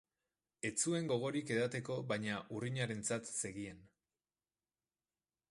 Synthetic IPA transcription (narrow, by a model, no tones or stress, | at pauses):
e̞t͡sue̞ŋɡo̞ɣ̞o̞ɾike̞ð̞at̪e̞ko̞βajɲaʔuriɲaɾe̞nt͡sat̪se̞ɣie̞n